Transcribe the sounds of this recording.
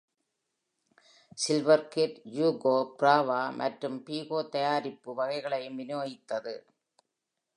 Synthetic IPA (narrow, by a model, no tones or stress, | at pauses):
sɪlʋɐɾkeʈjuːɡoːpɪɾaːʋaːmʔɐʈrɯmpiːɣoːt̪ɐjaːɾɪpːɯʋɐɣɐɪɣɐɭɐjɯmʋɪnjoːjɪt̪ːɐðɯ